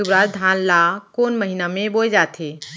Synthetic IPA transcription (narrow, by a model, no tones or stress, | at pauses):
ubɾaːd͡ʒd̪ʱaːnlakoːnməɦinamẽboːd͡ʒaːt̪ʰe